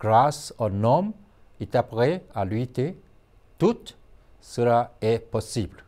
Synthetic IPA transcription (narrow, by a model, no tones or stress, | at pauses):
ɡ̥ʁasonɔm | it̪apʁɛalɥit̪e | t̪ut̪ | səlaɛpɔsibl